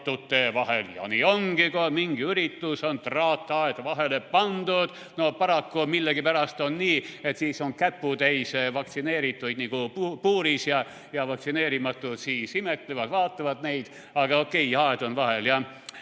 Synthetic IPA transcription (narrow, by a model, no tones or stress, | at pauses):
t̪ːut̪ːevɑɦeljɑ̰nio̞ŋɡ̥ikomiŋɡ̥iyɾit̪ːuso̞nt̪rɑːt̪ːˑɑed̪vɑɦelepɑnd̪ud̪̥ | nopɑɾɑkːumilːeɡipæɾɑst̪o̞nːiːe̞t̪siːso̞ŋkæpːut̪ejsvɑk̚t̪sine̞ːɾit̪ːˑujd̪niɡupuːɾisjɑ | jɑvɑk̚tsine̞ːɾimɑt̪ːˑut̪siːsimet̪ːˑlevɑd̪̥vɑːt̪ːˑɑvɑd̪̥ne̞jd̪̥ | ɑɡ̥ɑokːˑe̞jɑed̪onvɑheljɑ